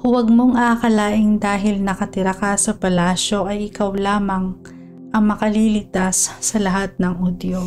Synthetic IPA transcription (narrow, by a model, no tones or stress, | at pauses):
wɐɡ̚moŋʔakɐlaːʔɪŋd̪aːɦɪlnɐkɐt̪ɪɾɐkɐsɐpɐlaːʃo̞ʔɐjʔɪkawlaːmɐŋ | ʔɐŋmɐkɐlilɪɡ̚t̪asːɐlɐɦat̪̚nɐŋʔud̪jo